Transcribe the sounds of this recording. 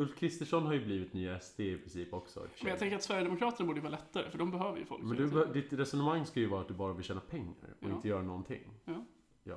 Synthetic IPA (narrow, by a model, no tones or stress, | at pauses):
ɵlfkʰɾɪst̪əʂɔnɦaɾjɵbliːvɪt̪nyːaɛst̪ʰeːɪpʰɾɪnsiːpɔksɔ̰mɛnjaɡt̪ʰɛŋkəɾat̪svæɾjəd̪ɛmʊkʰɾɑːt̪əɳabuːɖəjvɑːɾlɛt̪ʰːaɾə̰fœɖɔmbɛɦøːvəɾjə̰fɔ̰lkmɛnd̪ɵɛd̪ɪt̪ɾɛsɔnəmaŋːskajɵvɑːɾat̪̚d̪ɵbɑːɾavɪlʃɛːnapʰɛŋːa̰ɾɔɪnt̪əjœːɾanɔnt̪ʰɪ̰ŋ | jɑ̰ː